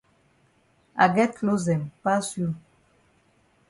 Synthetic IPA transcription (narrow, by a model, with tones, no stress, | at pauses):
a̰˨ɡɛ˦t̪lo˦zɛ˨mpa˦su˦